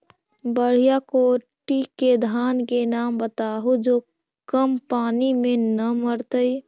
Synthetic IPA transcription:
bəɽ̤ijakoːʈiked̪ʱaːnkenaːmbət̪aːɦud͡ʒo | kəmpaːnimẽnəməɾt̪əi

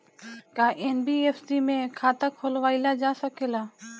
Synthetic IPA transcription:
kaːʔeːnbiːeːfsiːmẽkʰaːt̪akʰoːlʋaːilad͡ʒaːsəkeːlaː

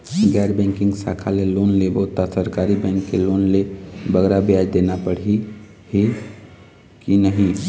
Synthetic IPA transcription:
ɡɛːɾbɛ̃ŋkɪ̃ŋɡsa̰kʰalelonlebəɦut̪asəɾkaɾibɛ̃ŋkːelonlebəɡɾabjad͡ʒd̪enapəɽ̤i | hi | kinəɦĩ

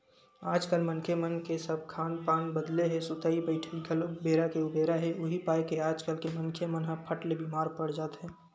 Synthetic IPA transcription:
aːd͡ʒkəlmənkʰemənkesəb̚ʱkʰaːnpaːnbəd̪leɦɛ̃sʊt̪aːibəɪʈʰeɡʱəlobeːɾakeʊbʱeːɾaɦɛ̃ʊɦipaːekeaːd͡ʒkəlkemənkʰemənɦə̃pʰəʈlebimaːɾpəɽd͡ʒaːt̪ɦɛ̃ː

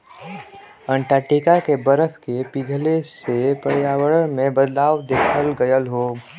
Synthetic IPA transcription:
ə̃ɳʈaːʈiːkakebəɾəfʰkepiɡʱlesepəɽjaːwəɽəmẽbəd̪laːwd̪eːkʰəlɡəjəlɦoː

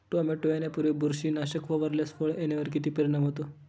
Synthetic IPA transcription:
ʈoameʈojenepuɾʋebuɾɕiːnaɕəkʋɔʋəɾlesfoɭeneʋəɾk̬it̪iːpiɾinamɦot̪o

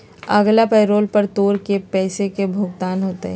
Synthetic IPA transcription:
ɐɡlapɛːɾoːlpɐɾt̪oːɾkepɛːsekebʱʊɡt̪aːnɦoːt̪e

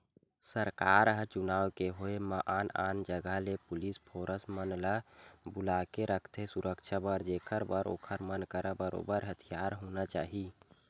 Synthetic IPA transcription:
səɾkaɾɦət͡ʃunaːwkeɦoeməʔana̰nd͡ʒəɡəlepulispʰoɾəsmənləbulakeɾəkʰt̪ʰesuɾəkt͡ʃʰabəɾd͡ʒekʰəɾbəɾo̰ːkʰəɾmənkəɾəbəɾo̰bəɾɦət̪ʰijaɾɦonat͡ʃa̰ːɦi

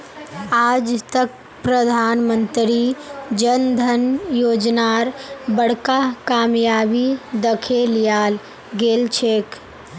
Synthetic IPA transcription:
ad͡ʒt̪ək̚ | pɾəd̪ʱanmənt̪ɾid͡ʒənd̪ʱənjod͡ʒnaɾbəɽ̤kakamjabid̪əkʰelijal | ɡelt͡ʃʰek

